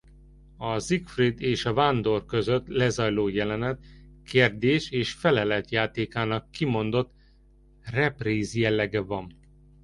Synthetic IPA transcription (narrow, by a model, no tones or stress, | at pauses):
ɒzikfrid̪eːʃɒvaːnd̪o̞rkø̞zøt̪lɛzɒjloːjɛlɛnɛt̪keːrd̪eːʃeːʃfɛlɛlɛt̪jaːt̪eːkaːnɒkːimo̞nd̪o̞t̪ | rɛpriːzjɛlːɛɡɛvɒm